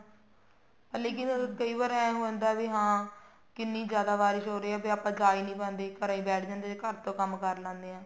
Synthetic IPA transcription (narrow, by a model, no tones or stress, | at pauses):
pːleːkɪnkəiːʋaːɾɛ̃ːɦõːnd̪aːʋiːɦãː | kɪnːĩːzjaːd̪aːʋaːɾɪʃɦoːɾeːɛːbeːaːpãːd͡ʒaːiːnĩːpɛ̃ːnd̪eːkəɾãːĩːbɛːʈʰd͡ʒãːnd̪eːekəɾt̪õːkəmkəɾlãːnd̪eːãː